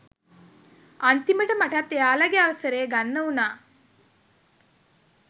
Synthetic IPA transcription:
ant̪iməʈəmaʈat̪ːejaːlaɡeaʋəsəɾeːɡanːəunaː

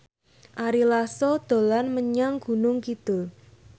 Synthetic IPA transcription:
ʔaɾilasɔd̪̥o̤lanməɲaŋɡ̥ṳnʊŋkit̪ʊl

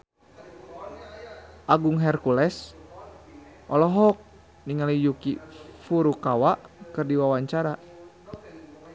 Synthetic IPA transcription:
ʔaɡuŋɦɛrkulɛs | ʔɔlɔɦɔk̚ | niŋalijukifuɾukawaʔkɨrdiwawaɲt͡ʃaɾa

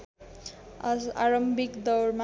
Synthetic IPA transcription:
ʌsaɾʌmbʱikd̪ʌwɾma

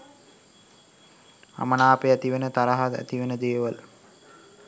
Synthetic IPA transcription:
a̰mənaːpeæt̪iʋenət̪aɾaɦad̪æ̰t̪iʋenəd̪eːʋəl

